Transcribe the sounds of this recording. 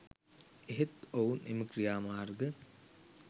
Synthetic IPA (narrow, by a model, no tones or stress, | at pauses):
eɦet̪ounḛməkrijaːmaːrɡə